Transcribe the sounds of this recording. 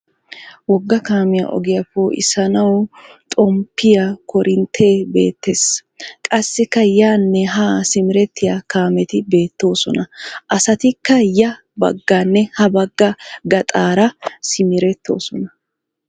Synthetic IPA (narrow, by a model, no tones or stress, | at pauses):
wɔɡːɐkaːmɪja̰ʔɔ̰ɡɪjɐpːoːʔɪ̰sɐnɐwt̪ʼɔmpːɪjɐkʰɔɾʔɪnt̪ʰe̞ːbḛːt̪ːeskʼɐsːɪkːɐjaːnːɛɦaːsɪmɪɾɛt̪ːɪjakaːmɛt̪ɪbe̞ːt̪ːo̞ːsɔ̰nɐʔɐsɐt̪ɪkːɐjɐ | bɐ̰ɡːanːɛhɐbɐɡːɐɡɐt̪ʼaːɾɐsɪmɪɾɛt̪ːo̞̰ːsɔnɐ